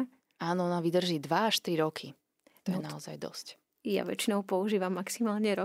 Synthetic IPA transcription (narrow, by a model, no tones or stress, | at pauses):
aːnɔɔnaʋid̪r̩ʒiːd̪ʋaaʃt̪ɾiɾɔkʰi | t̪ɔjɛnaɔza̰jd̪ɔ̰sc | ja̰ʋɛ̰t͡ʃinɔʊpɔuʒiːʋamːaksimaːlɲɛɾɔ